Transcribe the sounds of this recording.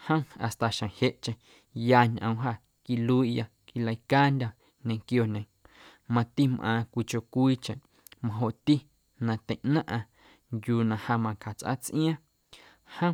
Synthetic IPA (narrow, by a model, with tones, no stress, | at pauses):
hə̃˦a̰˨st̪a˨ʃã˨he˧˨ʔt͡ʃẽ˧ | jaː˧ɲʔə̃˧˨w̃ɦa˧˨ | ki˧lu˧i˦ʔja˧ | ki˧la˧jkaː˦nd̪ʲa˧ | nẽ˧˨ŋkjo˧˨nẽ˨ | mã˧t̪i˦mʔãː˧kʷi˧t͡ʃo˧kʷiː˦t͡ʃẽ˨ʔ | mã˧ɦo˧ʔt̪i˦ | nã˧t̪ẽ˨ʔnã˦ʔã˧ | ŋɡjuː˧˨nã˧ha˧mã˧ka˨t͡sʔa̰˦t͡sʔḭ̃˦ã˦ | hə̃˦